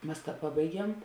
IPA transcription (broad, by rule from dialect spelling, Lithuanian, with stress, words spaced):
ˈmɐs ˈpɑːbɐɪˌɡʲiɛm